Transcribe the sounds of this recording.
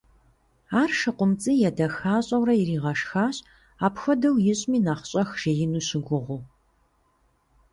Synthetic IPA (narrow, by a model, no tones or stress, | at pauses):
aːrʃɨqʷʊmt͡sʼijɛdɐxaːɕʼɐwrɐjiriːʁɐʃxaːɕ | aːpxʷɐdɐwjɪɕʼmiːnaːχɕʼɐxʒ̥ejɪnuːɕɪɡʷʊʁʷʊ